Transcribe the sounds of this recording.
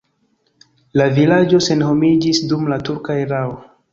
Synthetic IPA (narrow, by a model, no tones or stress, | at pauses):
lavilad͡ʒo̞se̞nho̞mid͡ʒisdumlatuɾkaeɾao